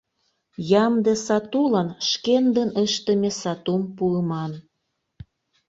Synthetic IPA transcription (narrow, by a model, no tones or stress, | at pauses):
jɑmd̪esɑt̪ulɑnʃkend̪ənəʃt̪ə̆mʲesɑt̪umpuəmɑn